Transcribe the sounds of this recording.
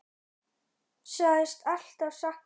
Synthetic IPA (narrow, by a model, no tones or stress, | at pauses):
saɪst̪al̥t̪avsahk